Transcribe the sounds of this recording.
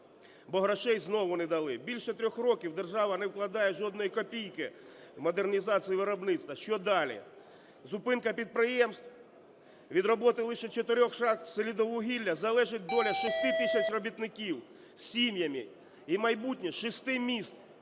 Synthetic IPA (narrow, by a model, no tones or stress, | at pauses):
bɔɦɾɐʃɛjznɔʋʊnɛd̪ɐlˠɪbʲilʲʃɛt̪ɾʲɔxrɔkʲiwd̪erʒɑʋɐnɛwklˠɐd̪ɑjɛʒɔd̪nɔjikɔpʲijkɪ | wmɔd̪ernʲizɑt͡sʲijiʋɪɾɔbnɪt̪st̪ɐʃt͡ʃɔd̪ɑlʲḭ | zʊpɪnkɐpʲid̪̚pɾɪjɛmst̪w | ʋʲid̪rɔbɔt̪ɪlˠɪʃɛt͡ʃɔt̪ɪɾʲɔxʃɑxsɔlʲid̪ɔʋʊɦʲilʲːɐzɐlˠɛʒɪt̚ʲd̪ɔlʲɐʃɪst̪ɪt̪isʲɐt͡ʃrɔbʲit̪nɪkʲiw | sʲimʲjɐmʲi | imɐjbutʲnʲiʃɪst̪ɪmʲist̪